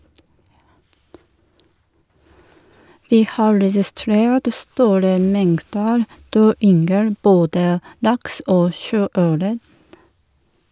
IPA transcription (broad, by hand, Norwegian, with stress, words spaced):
ˈʋiː ˈhɑː ɾɛsɪˈstɾeːt ˈstuːɾə ˈmɛŋtdəɾ ˈdøː ˈʏŋɡəl ˈboːdə ˈlɑks ˈoː ˈʃøːˌœɾə